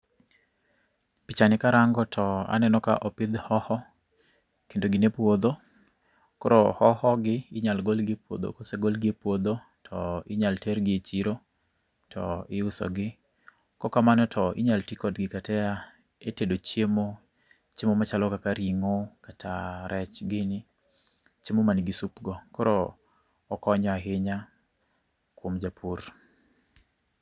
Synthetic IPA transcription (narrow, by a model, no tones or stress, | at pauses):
pit͡ʃanɪkaɾaŋɡɔtʰɔa̰nɛnɔka̰ʔɔpɪd̪hɔhɔ | kendoɡɪnepwod̪o | koɾohɔhɔɡɪɪɲalɡolɡɪpwo̰d̪o̰koseɡolɡɪpwod̪o | tʰɔɪɲaltɛɾɡɪet͡ʃiɾo | tʰɔ̰ɪʊsɔ̰ɡɪ | kɔkamanɔtʰɔɪ̰ɲaltikɔdɡɪkatɛa | etedot͡ʃjemo | t͡ʃɪmomat͡ʃalɔkakaɾiŋokatʰaɾʔɛt͡ʃɡɪnɪ | t͡ʃɪmomanɡɪsupɡɔkɔɾɔː | kɔɲɔaɦɪɲa | kwomd͡ʒapʰur